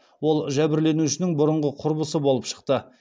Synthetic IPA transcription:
wo̞lˠʒæbɪɾle̞nuʃɪnɪŋbʊɾəɴʁəqʰʊɾbəsəbolˠəpʃə̥q̚t̪ə

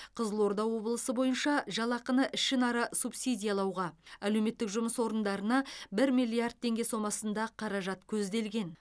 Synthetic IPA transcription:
qʰəzəlˠo̞ɾd̪ɑwwo̞blˠəsəbo̞jənʃɑʒɑlˠɑqənəʔɪʃɪnɑɾɑsubsid̪ʲijalˠɑwʁɑælewme̞t̪ːɪkʒʊməswo̞ɾənd̪ɑɾənɑbɪɾmijlʲˠijard̪̚t̪ʰːe̞ŋɡʲe̞so̞mɑsənd̪ɑqʰɑɾɑʒɑt̪kʲʰɵzd̪e̞lɡʲe̞n

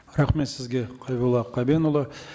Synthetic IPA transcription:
ɾɑχme̞t̪sɪzɡʲe̞qʰɑjbulˠɑqʰːɑbenulˠə

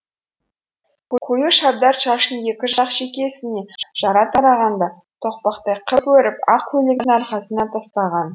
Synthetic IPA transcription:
qʰqʰujəʃɑb̚d̪ɑɾʃɑʃənje̞kʲɪʒɑqʃekʲe̞sɪne̞ʒ̥ɑɾɑt̪ʰɑɾɑʁɑnd̪ɑ | t̪ʰoq̚pɑqt̪ɑjqʰəpwɵɾɪpɑq̚kʰɵleɡʲnɑɾqɑsənɑt̪ʰɑst̪ɑʁɑn

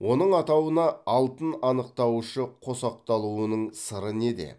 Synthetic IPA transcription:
wʔo̞nəɴɑt̪ɑwənɑɑlˠt̪ənɑnəq̚t̪ɑwʃəqʰo̞sɑq̚t̪ɑlˠuənəɴsəɾəne̞d̪e̞̰

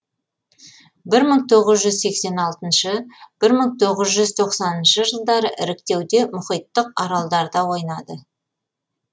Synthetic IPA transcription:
bɪɾməɴt̪ʰo̞ʁəzʒʏzse̞kse̞nɑlˠt̪ənʃəb̥ɪɾməɴt̪ʰo̞ʁəzʒʏzt̪ʰo̞qsɑnənʃəʒəlˠd̪ɑɾəʔɪɾɪkt̪e̞wd̪e̞mʊχijt̪ːəq̚ɑɾɑlˠd̪ɑɾd̪ɑwo̞jnɑd̪ə

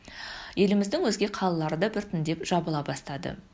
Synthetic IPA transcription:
je̞lɪmɪzd̪ɪŋwɵzɡʲe̞qʰɑlˠəlˠɑɾəd̪ɑbɪɾt̪ʰʏnd̪e̞pʒ̥ɑbəlˠɑbɑst̪ɑd̪ə̰

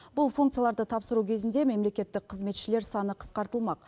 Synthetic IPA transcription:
bʊlˠfuŋkt̪sɨjalˠɑɾd̪ət̪ʰɑpsəɾukʲʰezɪnd̪e̞me̞mle̞kʲe̞t̪ːɪk̚qʰəzme̞t̪ʃɪle̞ɾsɑnəqʰə̥sqɑɾt̪əlˠmɑq

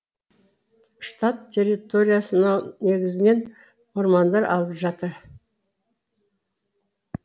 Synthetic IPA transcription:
ʃt̪at̪ʰʲːe̞rːit̪o̞ɾʲijasənɑneɡʲɪzɪne̞n | woɾmɑnd̪ɑɾʔɑ̰lˠəpʒɑt̪əɾ

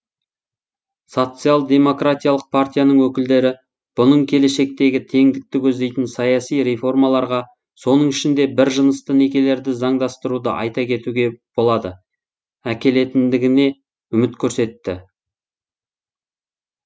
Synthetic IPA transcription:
so̞t̪sɨjalˠd̪e̞mo̞krat̪ʲijalˠəq̚pʰart̪ʲijanəɴwɵkʲɪld̪e̞ɾɪ | b̥ʊnəɴkʲʰe̞le̞ʃe̞k̚t̪e̞ɡʲɪt̪ʰe̞ŋd̪ɪk̚t̪ɪkʲʰɵzd̪e̞jt̪ɪnsɑjɑsijɾe̞fo̞rmɑlˠɑɾʁɑ | so̞nəɴɪʃɪnd̪e̞bɪɾʒənəst̪əne̞kʲe̞le̞ɾd̪ɪzɑɴd̪ɑst̪əɾud̪əʔɑ̰jt̪ɑkʲʰe̞t̪uɡʲe̞b̥o̞lˠɑd̪ə | ækʲe̞le̞t̪ɪnd̪ɪɡʲɪne̞ | ʏmɪt̪kʲʰɵɾse̞t̪ːɪ

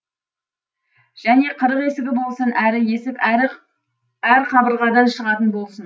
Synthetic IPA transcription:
ʒ̥æne̞qʰəɾəqe̞sɪɡʲɪbo̞lˠsənæɾɪje̞sɪp | æɾqʰɑbəɾʁɑd̪ɑnʃəʁɑt̪ənbolˠsən

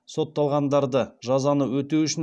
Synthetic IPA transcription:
so̞t̪ːɑlˠʁɑnd̪ɑɾd̪əʒɑzɑnəwɵt̪eʏʃɪn

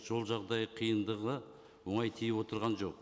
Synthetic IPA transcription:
ʒo̞lˠʒɑʁd̪ɑjəqʰijənd̪əʁə | woɴɑjt̪ʰijɪwo̞t̪əɾʁɑnʒo̞q̚

